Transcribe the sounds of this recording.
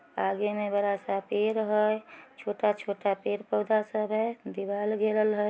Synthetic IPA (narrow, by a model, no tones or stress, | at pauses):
aɡemebəɾasapeɾɦəjt͡ʃʰoːʈat͡ʃʰoʈapeɾpɔʊd̪ʱasəbɦɛd̪ibalɡeləlɦəj